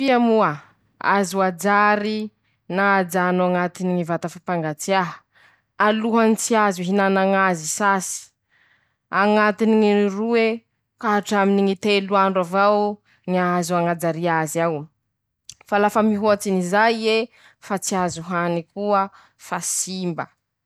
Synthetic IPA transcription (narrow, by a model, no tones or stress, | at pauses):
fiamua | a̰zuad͡zaɾi | naːd͡zanaŋat̪iniŋivat̪afapaŋɡat͡siaɦ | aluɦanit͡siazuɦinanaŋazisasi̥ | aŋat̪iniŋirue | kaɦaʈ͡ʂaminiŋit̪eluaɳɖ͡ʐavaw | ŋiazuaŋad͡zaɾiazaw | falafəmiɦuat͡sinizaje | fat͡siazuɦanikuə | fasimbə